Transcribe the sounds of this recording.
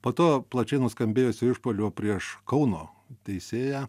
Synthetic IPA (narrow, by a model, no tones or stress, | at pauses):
poːt̪oːplˠɐt͡ʃʲɛɪnʊskɐmʲbʲeːjoːsʲɪɪʃpoːlʲuːpʲɾʲiɛʃkɐʊnoː | t̪ʲɛɪsʲeːjæː